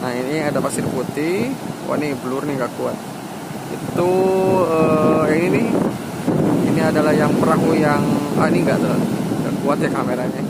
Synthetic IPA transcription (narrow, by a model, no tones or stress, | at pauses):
nahiniadapasɪrput̪iwʔa̰ʔnibəlʊrniŋɡaʔkuat̪̚ | ḭt̪uəjaŋinini | iniadalaɦjaŋpəɾakujaŋa̰iniŋɡa̰ʔd̪əlan | ŋɡa̰ʔkuat̪jakameɾaɲa